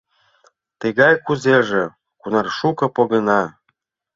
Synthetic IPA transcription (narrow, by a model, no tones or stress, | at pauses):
t̪əɣɑjkuzeʒĕ | kunɑrʃukɤ̆poɣɤnɑ